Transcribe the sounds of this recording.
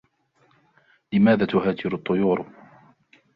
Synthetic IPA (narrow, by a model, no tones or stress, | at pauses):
lɪmaːðaːt̪ʊɦaːd͡ʒɪɾʊt̪ˤːʊjuːɾ